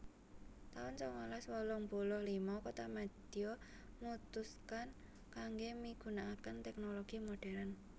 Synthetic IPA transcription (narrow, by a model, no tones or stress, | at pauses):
t̪aʊnt͡ʃɔŋalaswɔlɔŋbulɔhlimɔkot̪amad̪̥io | nut̪uskan | kaŋɡemiɡ̥ṳnaːkənt̪ɛk̚noloɡ̥imoɖ̥ɛɾan